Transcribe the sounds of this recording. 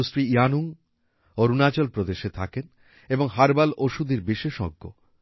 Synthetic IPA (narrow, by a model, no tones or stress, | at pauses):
usɾiianuŋ | oɾunat͡ɕolpɾod̪eʃet̪ʰaken | eboŋɦaɾbalʔoʃud̪iɾbiʃeʃɔ̰ɡːo̰